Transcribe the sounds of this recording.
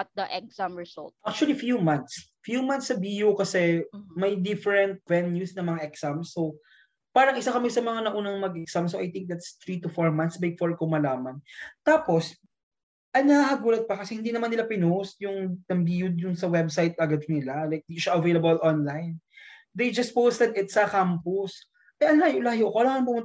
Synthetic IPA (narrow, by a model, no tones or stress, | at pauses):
ɐt̪̚d̪ɐʔɛksamɹɪzɔ̰lt̪̚ʔak̚t͡ʃuɐlifjumant̪s | fjumant̪sːɐbijukɐsɛmɐjd̪ɪfɛɹɛnt̪̚vɛnjusnɐŋmɐŋaʔɛksamsow | paːɾɐŋʔɪsakɐmɛsɐmɐŋanɐʔuːnɐŋmɐɡʔɛksamsoʔɐjt̪ɪ̃ŋk̚d̪ɐt̪st̪ɹit̪ʊfoɹmɐnsbɛɡ̚foɹkomɐlaːmɐnt̪aːpo̞s | ʔɐŋnɐhaɦɐɡuːlɐd̪̚pɐkɐsɛhɪnd̪inɐmanːɪlapɪnosjʊŋt̪ɐmbiːjʊd̪̚jʊnsɐwɛbsajt̪̚ɐɡad̪̚nɪlalajk̚d̪iʃaʔɐvejlɐbɐlʔonlajn | d̪ejd͡ʒɐst̪̚powst̪ɛnɪt̪sɐkampʊs | ʔɐjʔɐnlaːjoʔlaːjoʔkoʔlaːŋɐŋbʊŋʊt̪